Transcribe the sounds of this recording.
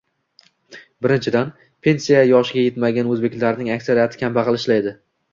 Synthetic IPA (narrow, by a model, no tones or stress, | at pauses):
bɪɾɪnt͡ʃʰɪd̪an | pʰe̞nsijajɒʃɪɡʲajet̪maɡʲanɵzbe̞kʲlaɾnɪŋakʲsaɾijat̪ʰɪ̥kʲʰambaqɨlˠɪʃlajd̪ɪ